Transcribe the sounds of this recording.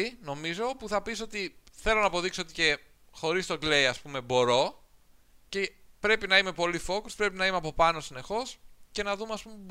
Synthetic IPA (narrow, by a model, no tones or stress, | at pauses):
ino̞mizo̞puθɐpiso̞t̪iθe̞lonɐːpo̞ðiksoot̪i̥ce̞ | xo̞ɾist̪o̞ɡleiɐspume̞bo̞ɾo̞ | ce̞pɾe̞pinɐime̞po̞lifo̞kuspɾe̞pinɐimeɐpo̞pɐno̞sine̞xo̞sce̞nɐðumeɐspumepb